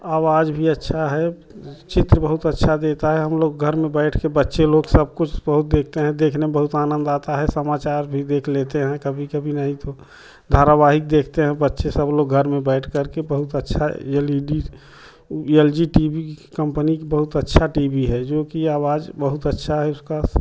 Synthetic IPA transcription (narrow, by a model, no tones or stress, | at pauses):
aːwaːd͡ʒbʱiətːʃʰaɦɛ | t͡ʃɪt̪ɾəbəɦʊt̪ətːʃʰad̪et̪aɦɛɦəmloːɡɡʱəɾmẽbɛɪʈʰkebətːʃeloːɡsəb̚kʊt͡ʃʰbəɦʊt̪̚d̪eːk̚ʰt̪eɦɛ̃d̪eːkʰnemebəɦʊt̪aːnə̃nd̪aːt̪aɦɛsəmaːt͡ʃaːɾbʱid̪eːkʰlet̪eɦɛ̃kəbʱikəbʱinəɦĩt̪o | d̪ʱaːɾaʋaɦɪk̚d̪eːkʰt̪eɦɛ̃bətːʃesəbloːɡɡʱəɾmẽbɛɪʈʰkəɾkebəɦʊt̪ətːʃʰaɛliɖi | ɛld͡ʒiʈiːbikə̃mpənikbəɦʊt̪ətːʃʰaʈiːbʱiɦɛd͡ʒoːkiaːwaːd͡ʒbəɦʊt̪ətːʃʰaɦɛʊska